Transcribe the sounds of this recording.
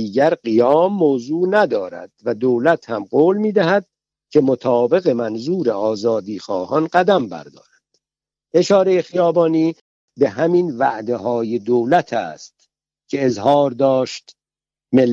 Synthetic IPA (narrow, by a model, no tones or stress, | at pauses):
iːɟæɾɢijɒːmːoːzuːnæd̪ɒːɾæ̰d̪̥væd̪oːlæt̪hæmɢoːlmiːd̪æɦæd̪̥̚ | cʰe̞mot̪ʰɒːbe̞ɣe̞mænzuːɾeɒːzɒːd̪iːxɒːhɒnɢæd̪æmbæ̰ɾd̪ɒ̰ːɾænd̪̥ | ʔe̞ʃɒːɾe̞jexijɒːbɒːniː | be̞ɦæminvæʔd̪e̞ɦɒːje̞d̪owlæt̪ʰæ̰ːst̪ | cʰe̞ːzhɒːɾd̪ɒːʃt̪ | melː